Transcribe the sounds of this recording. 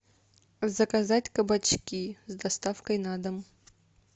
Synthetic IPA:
vzɐkazatʲkɐbat͡ʃkʲizd̪ɐst̪afkəjnad̪ɐm

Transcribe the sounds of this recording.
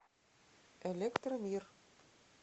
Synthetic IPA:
elʲekt̪rɤmir

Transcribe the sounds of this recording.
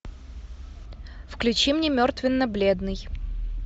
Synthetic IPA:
fklʲʉt͡ɕimnʲemʲort̪vʲɪnːəblʲed̪nɨj

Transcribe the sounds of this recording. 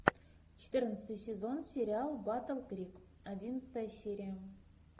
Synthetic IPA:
ʃe̥t̪əɾənst̪ɨjsʲezo̞nsʲeɾʲialˠbat̪əlˠɡrʲik | ad̪ʲinst̪ɑjsʲeɾʲia

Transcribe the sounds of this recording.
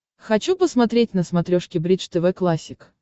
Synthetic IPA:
xɐt͡ɕupəsmɐt̪ɾʲetʲnəsmɐt̪ɾʲoʂkʲɪbɾʲit͡ʂt̪ɛvɛklˠasʲːɪk

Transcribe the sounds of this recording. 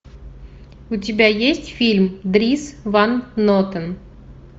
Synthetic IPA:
ʊtʲɪbʲæjesʲtʲfʲilʲmd̪ɾʲisvanːot̪ən

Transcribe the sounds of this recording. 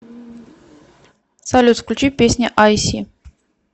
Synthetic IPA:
sɐlʲut̪fklʲut͡ɕipʲesʲnʲɪʔajsʲi

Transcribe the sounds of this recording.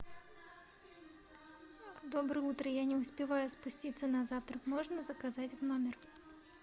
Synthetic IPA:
d̪obɾɨjut̪ɾəjanʲɪʊsʲpʲɪvajʊspʊsʲtʲit̪sənɐzaft̪ɾəkmoʐnəzəkazatʲvnomʲɪr

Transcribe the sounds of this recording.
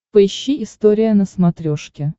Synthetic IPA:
pəɪɕːiɪst̪oɾʲɪjənəsmɐt̪ɾʲoʂkʲɪ

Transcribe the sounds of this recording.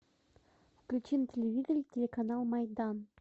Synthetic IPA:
fklʲut͡ɕintʲelʲevʲid̪ʲərʲtʲelʲekanɑlˠmɑjd̪ɑn

